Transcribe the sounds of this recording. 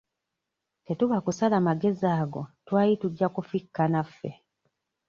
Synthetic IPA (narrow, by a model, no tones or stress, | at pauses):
te̞tuβakusalamaɡe̞ziaːɡo̞twaːjituɟːakufikːanafːḛ